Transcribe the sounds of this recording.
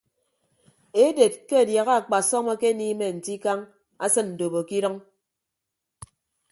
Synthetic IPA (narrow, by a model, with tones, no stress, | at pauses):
e˦de˨t̚ke˦a˨dja˨ɣa˦a˨k͡pa˨sɔ˦mɔ˦ke˦niː˦me˨n̩˨ti˦ka˦ŋ | a˦sɨ˦nn̩˨do˨bo˨ki˦ɾɔ˦ŋ